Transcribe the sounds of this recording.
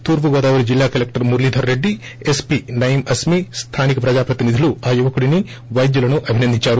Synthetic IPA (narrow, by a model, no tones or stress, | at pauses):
t̪uːɾpuɡɔːd̪aːʋuɾid͡ʒilːaːkɐlek̚ʈɐɾmuɾlid̪ʱɐɾːe̞ɖːi | espinɐjimɐsmist̪ʰaːnikɐpɾɐd͡ʒaːpɾɐt̪inid̪ʱiluaːjuʋɐkuɽini | ʋɐjd̪julɐnuʔɐbʱinɐnd̪ʱiɲt͡ʃaːɾu